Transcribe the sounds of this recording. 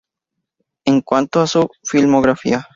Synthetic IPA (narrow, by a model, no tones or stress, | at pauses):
eŋkwant̪oasufilmoɣɾafḭa